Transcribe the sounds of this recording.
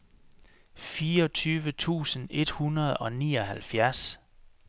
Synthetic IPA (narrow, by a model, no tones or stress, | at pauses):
fiːɒ̽t͡sʰyːʋət͡sʰṵːsən̩e̝d̥hunɐð̞ˠɒ̽nḭːɒ̽hælfjæɐs